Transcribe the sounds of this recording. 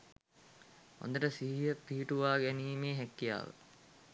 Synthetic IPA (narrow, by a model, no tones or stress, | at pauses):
o̰nd̪əʈəsiɦijəpiɦiʈuʋaːɡæniːmeːɦækːija̰ːʋə̰